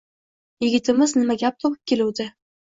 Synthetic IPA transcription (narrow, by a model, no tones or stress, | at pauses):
jɪɡʲɪt̪ʰɪmɪznɪmaɡʲap̚t̪ʰopʊp̚kʲe̞lʊwd̪ɪ